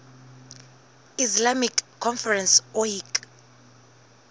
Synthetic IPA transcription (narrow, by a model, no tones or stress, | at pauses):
islamikʰːɔnfɛrɛnsɔik